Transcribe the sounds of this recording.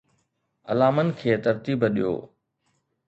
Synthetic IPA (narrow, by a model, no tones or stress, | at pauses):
ɐ̰laːmənɪ̆kʰeːt̪əɾt̪iːbɗḭjo̰ː